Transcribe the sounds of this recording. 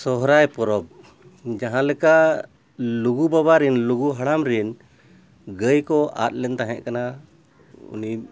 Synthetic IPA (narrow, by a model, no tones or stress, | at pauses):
sɔɦɾajpɔɾɔb̚ | d͡ʒaɦãlɛkaʔ | luɡubaβaɾinluɡuɦaɽamɾin | ɡəjkɔa̰t̪̚ˀlɛnt̪aɦɛ̃ʔkana | ṵni